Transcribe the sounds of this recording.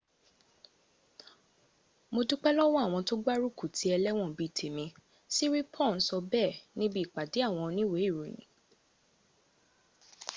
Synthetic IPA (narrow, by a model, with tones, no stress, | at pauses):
mo˧du˦k͡pɛ˦lɔ˦w̃ɔ̃˦a˦˨w̃ɔ̃˧to˦ɡ͡ba˦ɾu˦˨ku˨tʰi˨˦ɛ˧lɛ˦w̃ɔ̃˦˨bi˨˦˨tʰe˨mĩ˧ | si˦ɾi˦pʰɔ̃˦˨n̩˦sɔ˧bɛ˦˨nĩ˦bi˦˨k͡pa˨de˨˦a˦˨w̃ɔ̃˧nĩ˦we˨˦i˦˨ɾu˨nḭ̃˨